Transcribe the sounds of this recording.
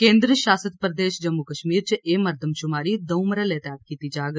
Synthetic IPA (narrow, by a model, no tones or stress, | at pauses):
kẽːnd̪ɾəʃaːsət̪pɾəd̪eːʃd͡ʒɐmːukəʃmiːɾt͡ʃʔeːmɐɾd̪ʱəmʃʊmaːɾid̪ɐwmɾəleːt̪aːt̚kiːt̪id͡ʒaːɡ